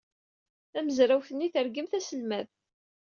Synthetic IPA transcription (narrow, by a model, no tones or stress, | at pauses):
θæməzɾæwθənːiθəɾɡəmθæsəlmæð